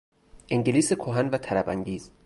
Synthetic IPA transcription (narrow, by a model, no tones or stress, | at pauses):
ʔeŋɟeliːsekʰoɦænvæt̪ʰælæbæŋɟiːz̥